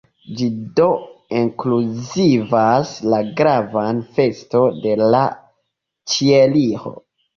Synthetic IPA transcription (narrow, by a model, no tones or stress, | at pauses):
d͡ʒido̞iŋkluzivaslaɡɾavanfe̞sto̞de̞la | t͡ʃieliho̰